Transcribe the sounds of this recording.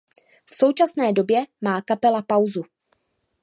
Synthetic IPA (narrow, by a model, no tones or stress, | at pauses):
fso̞wt͡ʃasnɛːdo̞bjɛmaːkapɛlapawzu